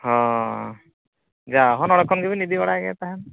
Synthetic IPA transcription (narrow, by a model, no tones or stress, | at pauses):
ɦɔ̃ | d͡ʒaɦɔnɔɽɔkʰːɔnkibinid̪ibaɽakɛ̰t̪aɦan